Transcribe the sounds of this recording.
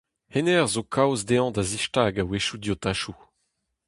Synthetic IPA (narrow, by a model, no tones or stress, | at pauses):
henɛʁzokʰawzd̪eɑ̃d̪aziʃtaːɡaweʃud̪jot̪aʃu